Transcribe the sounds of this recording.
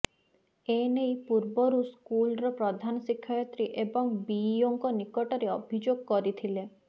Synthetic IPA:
enejpuɾbɔɾuskulɾɔpɾɔd̪ʱanɔsikʰːɔjɔt̪ɾiʔebɔŋbijoŋkɔnikɔʈɔɾeɔbʱid͡ʒoɡ̚kɔɾit̪ʰile

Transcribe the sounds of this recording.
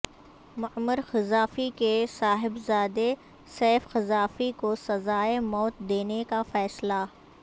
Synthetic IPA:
mʊəmːəɾxɪzaːfikesaːɦɪbzaːd̪e | sɛːfxɪzaːfikosɐzaːemɔːt̪d̪eːnekafɛːsla

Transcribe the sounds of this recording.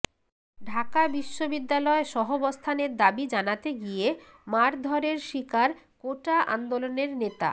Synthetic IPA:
ɖʱakabiʃːobid̪ːalɔeʃɔɦobost̪ʰaneɾd̪abid͡ʑanat̪eɡije | maɾd̪ʱɔɾeɾʃikaɾ | koʈaʔa̰nd̪oloneɾnet̪a̰

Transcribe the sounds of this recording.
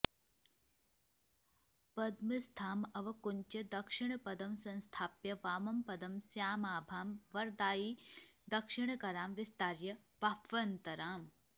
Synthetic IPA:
pɐd̪mist̪ʰaːmɐʋɐkuɲt͡ʃɐd̪ɐkʂɪɳɐpɐd̪ɐmsɐ̃nst̪ʰaːpjɐʋaːmɐmpɐd̪ɐmsjaːmaːbʱaːmʋɐɾd̪aːjiːd̪ɐkʂɪɳɐkɐɾaːmʋɪst̪aːɾjɐ | bapʋɐnt̪ɐɾaːm

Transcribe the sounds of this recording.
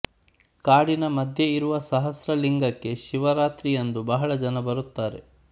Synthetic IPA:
kaːɽinɐmɐd̪ʱje̞iɾuʋɐsɐɦɐsɾɐliŋɡɐkːe̞ʃiʋɐɾaːt̪ɾijɐnd̪ubɐɦɐɭɐd͡ʒɐnɐbɐɾut̪ːaːɾe̞

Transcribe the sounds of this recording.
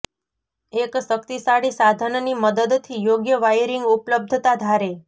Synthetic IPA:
eksəkt̪isaɽisad̪ʱənniməd̪əd̪t̪ʰijoɡjəʋajɾiŋɡʊpləb̚d̪ʱt̪ad̪ʱaɾe

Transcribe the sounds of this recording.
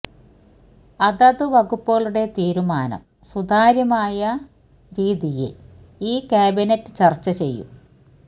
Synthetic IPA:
ɐðɐðɨʋɐɣupːoːɭuɽe̞t̪iːɾumaːnɐ̰m | sud̪ʱaːɾjɐmaːjɐ | ɾiːðijḛ | iːkʲaːbinɐtːɨt͡ɕɐrt͡ɕːɐt͡ɕe̞̰jːṵ

